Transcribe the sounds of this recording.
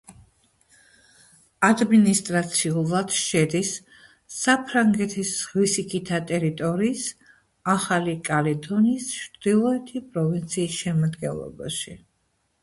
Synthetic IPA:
ad̪minist̪ʼɾat̪sʰiulˠad̪ʃɛd̪isː | apʰɾaŋɡɛt̪ʰisʁwisikʰʼit̪ʰat̪ʼɛɾit̪ʼɔɾiːs | aχalikʼalid̪ɔnisʃd̪̥ilˠɔɛt̪ʰipʼɾɔvint̪sʰiːsʃɛmad̪ɡɛ̰nlˠɔ̰ba̰ʃi

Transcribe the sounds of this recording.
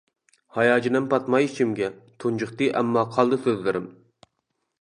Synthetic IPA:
hɑjɑːd͡ʒinɪmpʰɑt̪mɑjit͡ʃʰimɡʲɛt̪ʰund͡ʒʊχt̪ɨʔɛmːɑqʰɑlˠd̪ɨsøzlɪɾɪm

